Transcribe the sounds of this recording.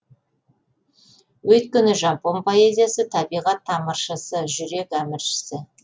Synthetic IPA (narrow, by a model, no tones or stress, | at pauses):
wɵt̪̚kʲɪnɪʒɑmpo̞npʰo̞e̞zʲijasət̪ʰɑbijʁɑt̪ʰːɑmɑɾʃɑsəʒʏɾe̞kæmɪɾʃɪ̥sɪ